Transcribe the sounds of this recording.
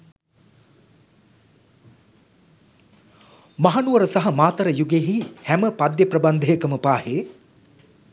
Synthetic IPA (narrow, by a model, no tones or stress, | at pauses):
maɦanuʋəɾəsaɦɐmaːt̪ɐɾəjuɡeɦihæməpad̪jəprəband̪ʱejəkəməpaːheː